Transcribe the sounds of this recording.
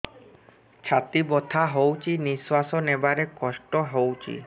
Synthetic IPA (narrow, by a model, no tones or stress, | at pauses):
t͡ʃʰat̪ibot̪ʰaɦowt͡ʃʰiniswasonebaɾekɔsʈɔɦowt͡ʃʰḭ